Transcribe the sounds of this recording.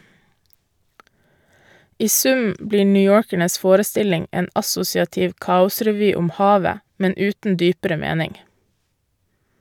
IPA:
ˈiː ˈsʉm ˈbliː ɳʏˈjoːɾkæɳəs ˈfoːɾəˌstɪlɪŋ ˈeːn ɑˈsʊsɪɑtɪʋ ˈkɑːʊsɾɛˌʋyː ˈʊm ˈhɑːʋə ˈmɛn ˈʉːtn̩ ˈdyːpəɾə ˈmeːnɪŋ

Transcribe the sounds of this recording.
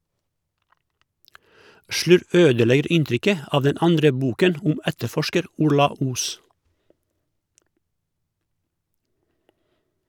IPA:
ˈʃlʉɾʋ ˈøːdəˌlɛɡəɾ ˈɪnˌtɾʏkə ˈɑːʋ ˈdɛn ˈɑndɾə ˈbuːkən ˈʊm ˈɛtəˌfɔʃkəɾ ˈʊɾlɑ ˈuːs

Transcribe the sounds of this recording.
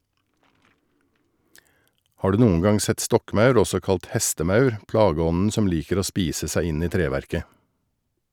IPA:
ˈhɑː ˈɖʉː ˈnuːən ˈɡɑŋ ˈsɛt ˈstɔkˌmɑʉɾ ˈɔsɔ ˈkɑlt ˈhɛstəˌmɑʉɾ ˈplɑːˌɡɔnn̩ ˈsɔm ˈliːkəɾ ˈoː ˈspiːsə ˈsæɪ ˈɪn ˈiː ˈtɾeːʋæɾkə

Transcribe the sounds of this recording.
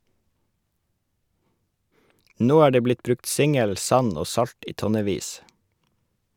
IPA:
ˈnoː ˈæː ˈɖeː ˈblɪt ˈbɾʉkt ˈsɪŋəl ˈsɑn ˈoː ˈsɑʎt ˈiː ˈtɔnəˌʋiːs

